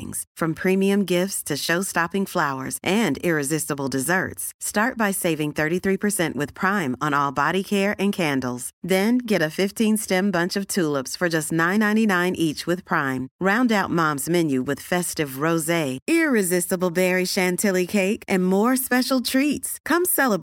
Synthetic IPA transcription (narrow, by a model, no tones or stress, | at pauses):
ɪ̰̃ŋz̥fɹʌ̃mpʰɹ̥ĩmiɨ̃mɡɪftstʰɨʃoʊstɑpɪ̃ŋflaʊə̰˞zʔɨ̃ndɪɹɨzɪstəbl̩ˠdɨzɜ̰˞tstɑɹt̚b̥aɪseɪvɪ̃ŋθɜ˞ɾiθɹipʰə˞sɛ̃nʔwɨð̥pʰɹ̥ãɪ̃mə̃nɔlˠbɑɾikʰɛɹʔɨ̃nkʰæ̃ndˡl̩ˠz̥ðɨ̃nɡɛɾɨfɪftʰĩnstɛ̃mbʌ̃nt͡ʃʌv̥tʰulˠəpsfə˞d͡ʒʌstⁿnãɪ̃nãɪ̃ñinãɪ̃nʔit͡ʃwɨð̥pʰɹ̥ãɪ̃mɹãʊ̃ndaʊt̚mɑ̃mzmɛ̃njʉwɨð̥fɛstɨvɹoʊzeɪɪɹɨzɪstəbl̩ˠbɛɹiʃæ̃ntʰɪlˠikʰeɪkʔɨ̃nmɔɹspɛʃl̩ˠtʰɹ̥itskʰʌ̃msɛlˠəb